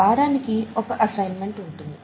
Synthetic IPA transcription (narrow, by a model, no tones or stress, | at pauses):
aːɾaːnikiɔkɐʔɐsɐjnme̞ɳʈuɳʈund̪i